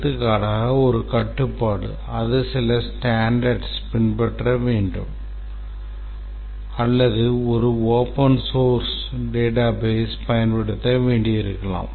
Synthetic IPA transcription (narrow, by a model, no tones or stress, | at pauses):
t̪ːɯkːaːɽaːɣɐɔɾɯkɐʈːɯpːaːɽɯ̰ | ɐðɯsɪlɐsʈaːɳɖɐɾɖspɪɳpɛʈrɐʋeːɳɖɯ̰m | ɐlːɐðɯɔɾɯoːpɐnsoːɾs | ɖeːʈaːbeːspɐjɐnpɐɽɯt̪ːɐʋeːɳɖɪjɪɾɯkːɐɭã̰ːm